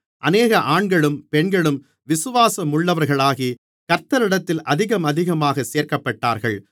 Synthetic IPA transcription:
ʔɐneːɣɐʔaːɳɡɐɭɯmpɛɳɡɐɭɯm | ʋɪsɯʋaːsɐmʊɭːɐʋɐɾɣɐɭaːɣi | kɐɾt̪ːɐɾɪɽɐt̪ːɪlʔɐðɪɣɐmɐðɪɣɐmaːɣɐseːɾkɐpːɐʈːaːɾɣɐɭ

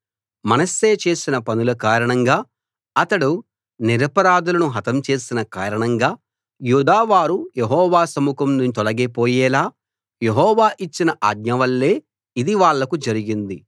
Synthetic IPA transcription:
mɐnɐsːe̞ːt͡ʃe̞ːsinɐpɐnulɐkaːɾɐɳɐŋɡaː | ɐt̪ɐɽu | niɾɐpɐɾaːd̪ulɐnuɦɐt̪ɐmt͡ʃe̞ːsinɐkaːɾɐɳɐŋɡaː | juːd̪aːʋaːɾujeɦɔːʋaːsɐmukɐmnut̪ɔlɐɡepoːjɛːlaː | jeɦɔːʋaːʔit͡ʃːinɐʔaːɡɲɐʋɐlːe̞ː | id̪iʋaːɭːɐkud͡ʒɐɾiɡind̪i

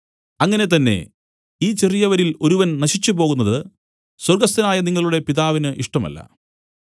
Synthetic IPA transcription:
ɐŋːɐne̞t̪ɐnːe̞̰ | iːt͡ɕerijɐʋɐɾilo̞ɾuʋɐnnɐɕit͡ɕːupo̞ːɣunːɐðɨ | swɐrɡɐst̪inaːjɐniŋːɐɭuɽe̞piðaːʋinɨʔiʂʈɐmɐ̰lːɐ̰

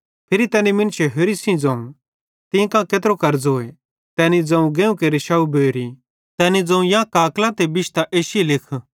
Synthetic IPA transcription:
pʰɪɾit̪ɛːnimɪnt͡ʃʰeɦeɾisĩd͡zɐ̃ːũ | t̪ĩkãkeːt̪ɾokɐɾd͡zoːe | t̪ɛːnid͡zɐ̃ũɡeːũkeɾɪʃaːubeːɾi | t̪ɛːnid͡zɐ̃ũjãkaːklat̪ebɪʃt̪aʔeːʃelɪkʰ

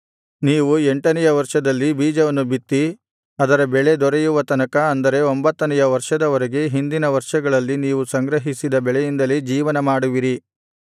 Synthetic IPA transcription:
niːʋueɳʈɐnɛjɐʋɐɾʂɐd̪ɐlːibiːd͡ʒɐʋɐnːubit̪ːi | ɐd̪ɐɾɐbɛɭe̞d̪ɔɾejuʋɐt̪ɐnɐkɐːnd̪ɐɾe̞o̞mbɐt̪ːɐnɛjɐʋɐɾʂɐd̪ɐʋɐɾeɡe̞ɦind̪inɐʋɐɾʂɐɡɐɭɐlːiniːʋusɐŋɡɾɐɦisid̪ɐbɛɭɛjind̪ɐlid͡ʒiːʋɐnɐmaːɽuʋiɾi

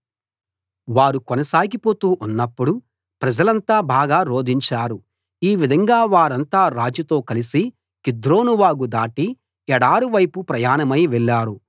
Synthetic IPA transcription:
ʋaːɾukɔnɐsaːɡipo̞ːt̪uːʔunːɐpːuɽu | pɾɐd͡ʒɐlɐnt̪aːbʱaːɡaːɾo̞ːd̪ʱiɲt͡ʃaːɾu | iːʋid̪ʱɐŋɡaːʋaːɾɐnt̪aːɾaːd͡ʒut̪o̞ːkɐlisi | kid̪ɾo̞ːnuʋaːɡud̪aːʈi | ɛɽaːɾuʋɐjpupɾɐjaːnɐmɐjʋɛɭːaːɾu

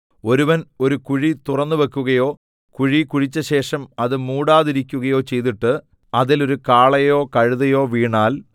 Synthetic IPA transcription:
o̞ɾuʋɐno̞ɾukuɻit̪urɐnːuʋekːuɣɐjo̞ː | kuɻikuɻit͡ɕːɐɕe̞ːʂɐmɐðɨmuːɽaːðiɾikʲːuɣɐjo̞ːt͡ɕe̞jt̪iʈːɨ | ɐðilo̞ɾukaːɭɐjo̞ːkɐɻuðɐjo̞ːʋiːɳaːl

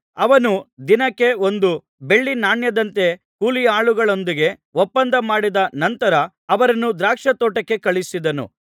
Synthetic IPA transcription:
ɐʋɐnud̪inɐkːe̞o̞nd̪u | be̞ɭːinaːɳjɐd̪ɐnt̪e̞ | kuːlijɐaːɭuɡɐɭo̞nd̪iɡe̞ | ʋopːɐnd̪ɐmaːɽid̪ɐnɐnt̪ɐɾɐː | ʋɐɾɐnːud̪ɾaːkʂɐt̪oːʈɐkːe̞kɐɭisid̪ɐnṵ

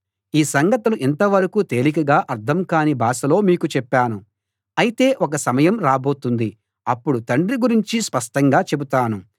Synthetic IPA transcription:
iːsɐŋɡɐt̪ɐluʔɛnt̪ɐʋɐɾɐkut̪e̞ːlikɐɡaːʔɐɾt̪ʰɐmkaːnibʱaːsɐlo̞ːmiːkut͡ʃɛpːaːnu | ɐjit̪e̞ːʔɔkɐsɐmɐjɐmɾaːbo̞ːt̪und̪i | ɐpːuɽut̪ɐɳɖɾiɡuɾiɲt͡ʃispɐʂʈɐŋɡaːt͡ʃe̞but̪aːnu

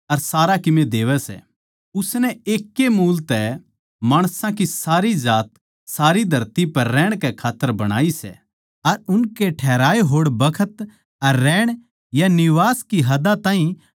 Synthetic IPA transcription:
ɐɾsaːɾakɪmed̪eːʋɛsɛ̰ | ʊsnɛeːkːemuːlt̪ɛ | maːɽ̃sãkisaːɾid͡ʒaːt̪̚ | saːɾid̪ʱɐɾt̪ipɐɾːɛːɽ̃kɛkʰaːt̪ːəɾbɐɽ̃a̰ːisɛ̰ | ɐɾʊnkeʈʰɛːɾaːeɦoːɽbɐkʰət̪ | ɐɾːɛːɽ̃ | janɪʋaːskiɦɐd̪at̪ãːɦĩ

